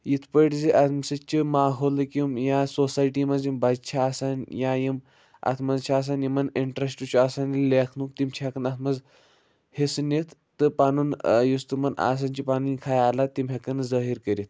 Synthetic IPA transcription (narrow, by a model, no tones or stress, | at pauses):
jit̪ʰpəʈd͡ziʔat̪ʰmsət͡ʃimaːɦolɨkʲimjasosajʈimad͡zimbad͡zt͡ɕʰaːsanjajim | a̰t̪ʰmazt͡ɕʰaːs̬anjimɐniɳʈɾesʈut͡ɕuasanilekʰnukt̪imt͡ɕʰiakɐnat̪ʰmɐz | hesɨnet̪ʰːəpanuːnjust̪umɐna̰s̬ant͡ɕipaninkʰajalat̪ːimɦʲekɐnzaɦiɾkəɾit̪̚ʰ